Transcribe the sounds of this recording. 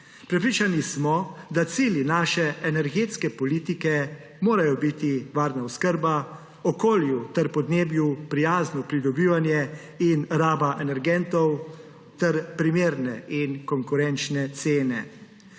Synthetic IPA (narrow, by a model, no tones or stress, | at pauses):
pɾɛpɾiːt͡ʃanismɔd̪at̪siːlinaːʃɛɛnɛɾɡeːt̪skɛpɔliːt̪ikɛ | moːɾajɔbit̪iʋaːɾnaɔskəɾba | ɔkoːljut̪ɛɾpɔd̪neːbjupɾijaːznɔpɾid̪ɔbiːʋanjɛ | inɾaːbaʔɛnɛɾɡɛnt̪ɔw | t̪ɛɾpɾimeːɾnɛinkɔŋkuɾɛnt͡ʃnɛt̪seːnɛ